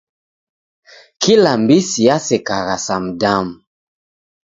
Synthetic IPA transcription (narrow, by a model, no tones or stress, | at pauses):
kʰilambisiasɛkaɣasamdam